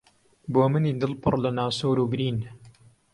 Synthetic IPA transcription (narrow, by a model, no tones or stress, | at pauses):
boːmɨniːd̪ɨlpɨ̰rlɐnaːsoːɾuːbɾiːn